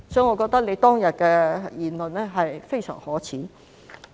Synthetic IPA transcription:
sɔː˨˥ŋɔː˨˧kɔː˧k̚t̪ɐ˥k̚ne˨˧jt̪ɔː˥ŋjɐ˨t̚kɛː˧jiː˨nlɵ˨nlɛː˥ɦɐ˨jfe˥jsœ̰ː˨˩ŋhɔː˨˥t͡sʰiː˨˥

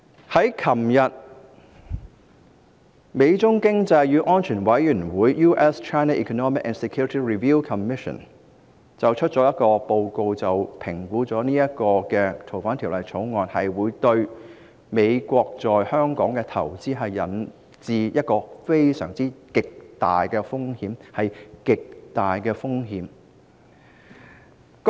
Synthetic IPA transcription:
hɐ˨˥jkʰɐ˨˩mjɐ˨t̚ | me˨˧jt͡sʊ˥ŋkɪ˥ŋt͡sɐ˧jjyː˨˧ʔɔː˥nt͡ʃʰyː˨˩nwɐ˨˥jjyː˨˩nwuː˨˥jːuː˥ʔɛ˥st͡ʃʰaː˥jnaː˥ʔḭː˨kʰo˧nɔː˥mɪ˨k̚ʔɛː˨nsɛ˨kʰju˥ɹɪ˥t̪ʰiː˥ɹi˨viː˥wkʰɐ˨mɪ˥ʃə̰˨˩n | t͡sɐ˨wt͡ʃʰɵ˥t̚t͡ʃt͡sɔ˨˧˥jɐ˥t̚kɔː˧po˧wko˧wt͡sɐ˨wpʰɪ˨˩ŋkuː˨˥t͡sɔː˨˥niː˥jɐ˥t̚kɔː˧kɛː˧t̪ʰo˨˩wfaː˨˥nt̪ʰiː˨˩wlɐ˨jt͡sʰo˨˥wŋɔː˨˧nhɐ˨jwuː˨˧jt̪ɵ˧ɥ | me˨˧jkʷɔː˧k̚t͡sɔː˨jhœː˥ŋkɔː˨˥ŋkɛ˧t̪ʰɐ˨˩wt͡siː˥ɦɐ˨jːɐ˨˥n | t͡siː˨˧jɐ˥t̚kɔː˧fe˥jsœ̰ː˨˩ŋt͡siː˥kɪ˨k̚t̪aː˨jkɛː˧fʊ˥ŋhiː˨˥mhɐ˨jkɪ˨k̚t̪aː˨jkɛː˧fʊ˥ŋɦiː˨˧m

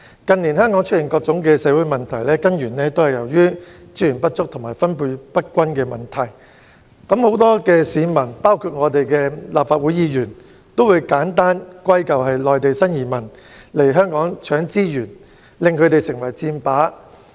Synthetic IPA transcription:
kɐ˨niː˨˩nɦœː˥ŋkɔː˨˥ŋt͡ʃʰɵ˥t̚jɪ˨˩ŋkɔː˧k̚t͡sʊ˨˥ŋkɛː˧sɛː˨˥wuː˨˥jmɐ˨nt̪ʰɐ˨˩jlɛː˥kɐ˥njyː˨˩nlɛː˥t̪o˥whɐ˨jɐ˨˩wjyː˥ | t͡siː˥jyː˨˩npɐ˥t̚t͡sʊ˥k̚t̪ʰʊ˨˩maː˨˩jfɐ˥npuː˧jpɐ˥t̚kʷɐ˥nkɛː˧mɐ˨˩nt̪ʰɐ˨˩j | kɐ˨˥mho˨˥wt̪ɔː˥kɛː˧siː˨˧mɐ˨˩npaː˥wkʰuː˧t̚ŋɔː˨˧t̪e˨jkɛː˧laː˨p̚faː˧t̚wuː˨˥jiː˨˧jyː˨˩n | t̪o˥wuː˨˧˥jkaː˨˥nt̪aː˥nkʷɐ˥jkɐ˨whɐ˨jlɔː˨jt̪e˨jsɐ˥njiː˨mɐ˨˩n | le˨˩jɦœː˥ŋkɔː˨˥ŋt͡ʃʰœː˨˥ŋt͡siː˥jyː˨˩n | lɪ˨ŋkʰɵ˨˧˥t̪e˨jsɪ˨˩ŋwɐ˨˩jt͡siː˧mpaː˨˥

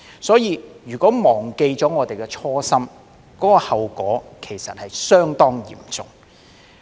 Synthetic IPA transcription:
sɔː˨˥jiː˨˧jyː˨˩kɔː˨˥mɔː˨˩ŋke˧jt͡sɔː˨˥ŋɔː˨˧t̪e˨jkɛ˧t͡sʰɔː˥sɐ˥m | kɔː˨˥kɔ˧hɐ˨wkɔː˨˥kʰe˨˩jsɐ˨t̚hɐ˨jsœː˥ŋt̪ɔː˥ŋjḭː˨˩mt͡sʊ˨ŋ

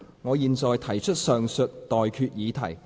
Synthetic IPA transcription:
ŋɔː˨˧jiː˨˧nt͡sɔː˨jt̪ʰɐ˨˩jt͡ʃʰɵ˥t̚sœː˨ŋsɵ˨t̚t̪ːɔː˨jkʰyː˧t̚jiː˨˧t̪ʰɐ˨˩j

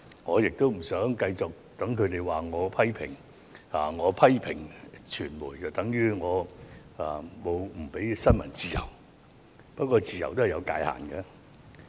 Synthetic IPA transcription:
ŋɔː˨˧jɪ˨k̚t̪o˥wm̩˨˩sœː˨˥ŋkɐ˧jt͡sɔː˨k̚t̪ɐ˨˥ŋkʰɵ˨˧ɥt̪e˨jwaː˨ŋɔː˨˧pʰɐ˥jpʰɪ̰˨˩ŋ | aː˨˩ŋɔː˨˧pʰɐ˥jpʰɪ˨˩ŋt͡ʃʰyː˨˩nmuː˨˩jt͡sɐ˨wt̪ɐ˨˥ŋjyː˨˧˥ŋɔː˨˧a˨˩mo˨˧wm̩˨˩pe˨˥jsɐ˥nmɐ˨˩nt͡siː˨jɐ̰˨˩w | pɐ˥t̚kʷːɔː˧t͡siː˨˧jɐ˨˩wt̪o˥hjɐ˨˧wka̰ː˧jha̰ː˨˩nkɛ˧

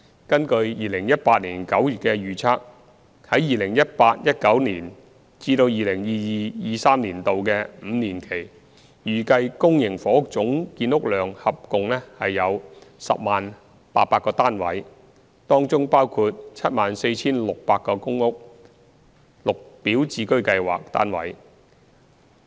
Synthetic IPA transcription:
kɐ˥nkɵ˧ɥjiː˨lɪ˨˩ŋjɐ˥t̚paː˧t̚liː˨˩nkɐ˨˥wjyː˨˩t̚kɛ˧jyː˨t͡sʰaː˥k̚ | hɐ˨˥jiː˨lɪ˨˩ŋjɐ˥t̚paː˧t̚jɐ˥t̚kɐ˨˥wniː˨˩n | t͡siː˧ɾo˧wjiː˨lɪ˨˩ŋjiː˨˧jiː˨jiː˨saː˥mniː˨˩nt̪o˨wkɛ˧m̩ː˨˧niː˨˩nkʰe˨˩j | jyː˨kɐ˧jkʊ˥ŋjɪ˨˩ŋfɔː˨˥ʊ˥k̚t͡sʊ˨˥ŋkiː˧nʊ˥k̚lœː˨ŋhɐ˨p̚kʊ˨ŋlɛː˥hɐ˨jːɐ˨˧wsɐ̰˨p̚maː˨n | pa̰ː˧t̚paː˧tkɔː˧t̪aː˥nwɐ̰˨˥j | t̪ɔː˥ŋt͡sʊ˥ŋpaː˥wkʰuː˧t̚t͡sʰɐ˥t̚maː˨nse˧jt͡sʰiː˥nlʊ˨k̚paː˧t̚kɔː˧kʊ˥ŋʊ˥k̚ | lʊ˨k̚piː˨˥wt͡siː˧˥kɵ˥ɥkɐ˧jwa̰ː˨k̚t̪a̰ː˥nwɐ̰˨˥j

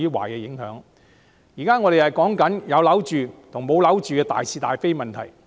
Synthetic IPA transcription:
yː˥wa̰ː˨˩jkɛː˧jɪ˨˥ŋhœː˨˥ŋ | jiː˨˩kaː˥ŋɔː˧ɾe˨˩hɐ˨jkɔː˨˥ŋkɐ˨˥njɐ˨˧wlɐ˨˥wt͡ʃyː˨t̪ʰʊ˨˩ŋmo˨˧wlɐ˨˥wt͡ʃyː˨kɛː˧t̪a̰ː˨jsʰiː˧t̪aː˨jfe˥jmɐ˨nt̪ʰɐ̰˨˩j

